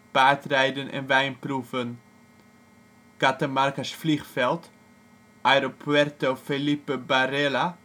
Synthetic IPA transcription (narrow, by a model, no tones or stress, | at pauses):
b̥aːtrɛjdənɛ̰nvɛjnprufən | ɡ̥atəmarkasfliχfɛlˠt | ʔœɾopwɛrtofelipəbaɾɛla